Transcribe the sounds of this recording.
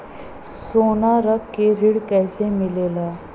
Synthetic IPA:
sonaɾəkːeɾiɽkɛjsemilela

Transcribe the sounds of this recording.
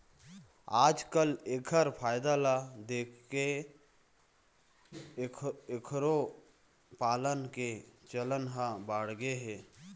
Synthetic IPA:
aːd͡ʒkəleːkʰəɾpʰaːjd̪alad̪eːkʰke | ekʰɾo | paːlənket͡ʃələnɦabaːɽɡeɦeː

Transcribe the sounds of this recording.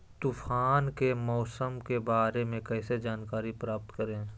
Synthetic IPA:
t̪ufʰaːnkemɔːsəmkebaːɾemẽkɛːsed͡ʒaːnkaːɾipɾaːp̚t̪kəɾẽː

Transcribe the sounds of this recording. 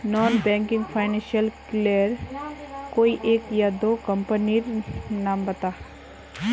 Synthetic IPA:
nɔːnbɛ̃ːŋkɪ̃ŋɡpʰaːɪnɛ̃nʃiəlkleːɾ | koːiʔeːkjad̪oːkəmpəniɾnaːmbɐt̪aː

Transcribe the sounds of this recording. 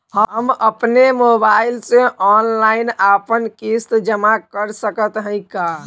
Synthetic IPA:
həɦəməpnemobailsẽʔɔnlainapənkist̪d͡ʒəmakəɾsəkət̪ɦə̃ɪ̃ka

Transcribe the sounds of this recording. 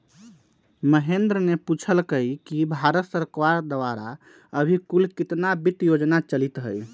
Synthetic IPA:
məɦend̪ɾəneput͡ʃʰəlkəjkibʱaɾət̪səɾkaɾd̪əʋaɾa | əbʱikulkit̪nabit̪jod͡ʒnat͡ʃəlit̪ɦəj

